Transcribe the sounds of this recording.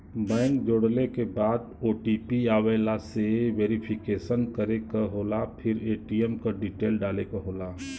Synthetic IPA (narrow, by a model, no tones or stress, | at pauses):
bɛ̃ːŋkd͡ʒoːɽlekebaːd̪̚oːʈipiaːweːlaseʋeːɾipʰɪkeːʃənkəɾekaɦoːlapʰɪɾeːʈiɛmkoɖiʈeːlɖaːlekoɦoːlaː